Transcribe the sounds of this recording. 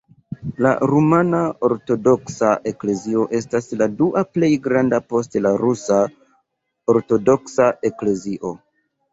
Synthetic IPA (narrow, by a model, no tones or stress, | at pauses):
la̰ɾumanao̞ɾto̞do̞ksaʔe̞kle̞zio̞ʔe̞stasladuʔaple̞jɡɾandapo̞stlaɾusa | oɾto̞do̞ksaʔe̞kle̞ziʔo̞